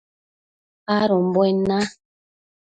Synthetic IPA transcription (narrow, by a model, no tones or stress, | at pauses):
aɾɔm̩bwɛna